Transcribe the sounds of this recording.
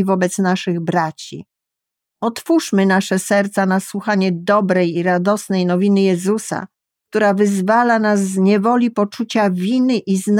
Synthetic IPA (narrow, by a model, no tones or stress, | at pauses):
vɔbɛt̪snaʂɘɣbɾat͡ɕḭ | ɔt̪fuʂmɘnaʂɛsɛɾt̪sanaswuxaɲɛd̪ɔbɾɛjiɾad̪ɔsnɛjnɔvʲinɘjɛzusa̰ | k̚t̪uɾavɘzvalanazːɲɛvɔlʲipɔt͡ʂut͡ɕavʲinɘʔizn